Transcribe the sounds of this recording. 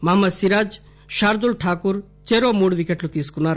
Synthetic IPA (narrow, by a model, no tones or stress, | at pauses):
mamɐd̪siɾaːd͡ʒ | ʃaːɾd̪ulʈʰaːkuɾ | t͡ʃeɾomuɽʋikeʈlut̪iskunaɾ